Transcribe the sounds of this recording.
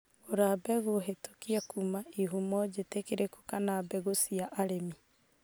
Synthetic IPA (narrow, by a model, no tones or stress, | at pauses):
oɾabɛɣoɦeto̥kiakumaiɦumɔd͡ʒetekeɾekukanabɛɣosiaʔaɾemi